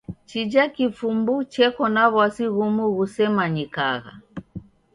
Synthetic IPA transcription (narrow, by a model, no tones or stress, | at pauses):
t͡ʃid͡ʒakifumbut͡ʃɛkɔnaβwasiɣumuɣusɛmaɲikaɣa̰